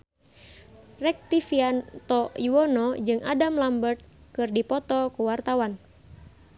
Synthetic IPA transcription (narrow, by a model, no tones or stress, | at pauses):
rɛk̚t̪ifiant̪ɔiwɔnɔd͡ʒɨŋʔadamlambərt̪̚kɨrdipɔt̪ɔkuwart̪awan